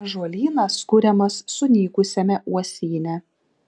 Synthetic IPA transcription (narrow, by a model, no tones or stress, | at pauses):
ʒuɔlʲiːnɐskʊɾʲɛmɐsːʊnʲiːkʊsʲɛmʲɛʔuɔsʲiːnʲɛ